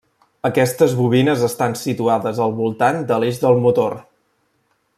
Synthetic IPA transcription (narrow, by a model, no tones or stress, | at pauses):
əkɛst̪əzβuβinəzəst̪ansit̪uaðəzəlˠβulˠt̪and̪əleʒðəlˠmut̪or